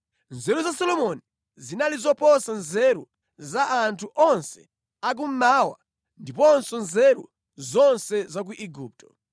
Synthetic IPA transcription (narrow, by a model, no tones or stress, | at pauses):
nzɛɾuzasɔlɔmɔni | zinalizɔpɔsanzɛɾu | zaʔantʰuʔɔnsɛ̥ | ak̬um̩maːwa̰ | ndipɔnsɔnzɛɾṵ | zɔnsɛzak̬uʔiɡuːp̚tʰɔ̥